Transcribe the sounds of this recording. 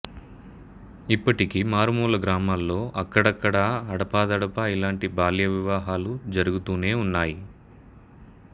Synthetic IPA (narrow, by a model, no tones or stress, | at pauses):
ipːɐʈikimaːɾumuːlɐɡɾaːmaːlːo̞ːʔɐkːɐɽɐkːɐɽaɐɽɐpaːd̪ɐɽɐpɐilaːɳʈibaːljɐʋiʋaːɦaːlud͡ʒɐɾuɡut̪uːne̞ːunːaːji